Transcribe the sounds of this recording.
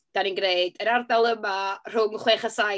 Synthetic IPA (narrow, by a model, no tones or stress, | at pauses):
d̥aninɡreɨdəɾardalˠəmar̥ʊŋχweːχasa